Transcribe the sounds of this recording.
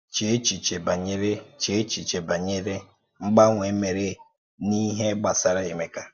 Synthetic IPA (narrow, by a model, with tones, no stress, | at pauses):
t͡ʃe˨˦t͡ʃi˨t͡ʃe˨ba˨ɲe˦ɾe˦t͡ʃe˨˦t͡ʃi˨t͡ʃe˨ba˨ɲe˦ɾe˦ | ŋ͡m̩˦ɡ͡ba˦ŋʷe˨˦me˨ɾe˦ | ni˦ɦe˦ɡ͡ba˨sa˦ɾa˦e˨me˨ka˦